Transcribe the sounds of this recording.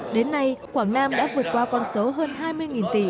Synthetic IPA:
ɗe˨˦nːa˧jxwaː˧˩ŋnaː˧mɗa̰ː˧˥vɨ˨˩ət̚kwaː˧kɔ˧nso˨˦ɦəː˧nɦaː˧jmɨ˧əjŋi˨˩nt̪ḭ˧˩

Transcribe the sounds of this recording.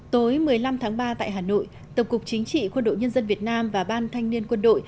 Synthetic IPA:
t̪o˨˦jmɨ˨˩əjla˧mt̪ʰaː˨˦ŋɓaː˧t̪a̰ː˧˨jɦaː˨˩no̰˧˨j | t̪ə˨˩p̚kʊ˨˩k͡p̚t͡ɕï˨˦ŋ̟t͡ɕḭ˧˨kwə˧nɗo̰˧˨jɲə˧nzə˧nvi˨˩ət̚naː˧mvaː˨˩ɓaː˧nt̪ʰa˧jŋ̟ni˧ənkwə˧nɗo̰˧˨j

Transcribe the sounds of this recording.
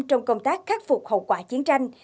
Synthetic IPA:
t͡ɕɔ˧wŋ͡mkə˧wŋ͡mt̪aː˦˥k̚xa˦˥t̚fʊ˨˩k͡p̚hə̰˧˨wkwaː˧˩t͡ɕi˨˦ənt͡ɕa˧jŋ̟

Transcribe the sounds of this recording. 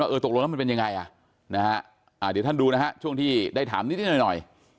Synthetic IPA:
waː˥˩ɤː˧t̪o˨˩k̚lo˧ŋlːma˧pe˧ja˧ŋa˧jʔa˨˩ʔ | na˦˥kʰa˦˥ʔ | ʔaː˨˩ɾi˨˩˦t̪ʰa˥˩nduː˧na˦˥kʰa˦˥t͡ɕʰu˥˩əŋt̪ʰiː˥˩daː˥˩jt̪ʰaː˩˦miː˦˥t̪ʰiː˥˩nɔ˨˩nɔ˨˩j

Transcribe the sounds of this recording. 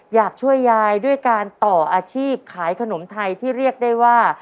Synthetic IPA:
jaː˨˩k̚t͡ɕʰu˥˩əjːaː˧jdu˥˩əjjkaː˧nt̪ɔː˨˩ʔaː˧t͡ɕʰiː˥˩p̚kʰaː˩˦jkʰa˧no˩˦mt̪ʰa˧jt̪ʰiː˥˩ɾi˥˩ək̚da˥˩jwaː˥˩

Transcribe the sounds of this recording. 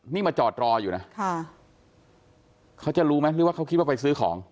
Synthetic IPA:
niː˥˩maː˧t͡ɕɔː˨˩t̪̚ɾɔː˧juː˨˩na˦˥kʰa˥˩ | kʰa˦˥wt͡ɕa˨˩ɾuː˦˥ma˦˥jɾɯː˥˩waː˥˩ka˦˥wkʰi˦t̪wa˥˩pa˧js̬ɯː˦˥kʰɔ̰ː˩˦ŋ

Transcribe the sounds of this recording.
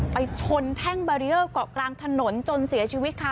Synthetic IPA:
pa˧jt͡ɕʰo˧nt̪ʰɛ˥˩ŋbaː˧ɾi˧˥ʔɤː˥˩kɔː˨˩klaː˧ŋt̪ʰa˧no˩˦nt͡ɕo˧nsi˨˩˦ɐt͡ɕʰi˧wi˦˥t̪̚kʰa˥˩

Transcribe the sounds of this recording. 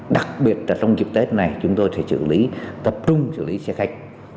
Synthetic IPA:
ɗa˨˩k̚ɓi˨˩ət̚laː˨˩ta˧wŋ͡mzi˨˩əp̚t̪e˦˥t̚na˨˩jt͡ɕʊ˨˦ŋ͡mt̪o˧jfḛ˧˩sɨ̰˧˨li˨˦t̪ə˨˩p̚t͡ɕʊ˧ŋ͡msɨ̰˧˨li˨˦sɛ˧xa˦˥jk̟̚

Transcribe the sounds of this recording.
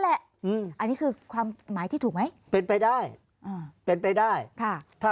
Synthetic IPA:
lɛ˨˩ʔ | ʔɯː˧˩mʔa˧nːiː˦˥kʰɯː˧kʰwaː˧mːaː˩˦t̪ʰiː˥˩t̪ʰːk̚ma˦˥j | pe˧npa˧jdaː˥˩j | ʔaː˧˩pe˧npa˧jdaː˥˩jk̪ʰa˥˩t̪ʰaː˥˩

